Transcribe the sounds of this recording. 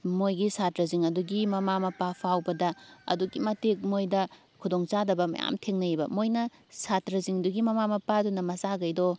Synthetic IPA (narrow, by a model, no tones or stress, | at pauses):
mojɡisatɾɐziŋɐduɡimɐmamɐpapʰawbɐdɐɐ̰duɡimɐtek̚mojdɐ | kʰudoŋt͡ʃadɐbɐmɐ̰ja̰mtʰeŋnɐbɐmojnɐ | satɾɐziŋɐduɡimɐmamɐpadunɐmɐzaɡɐjdɔ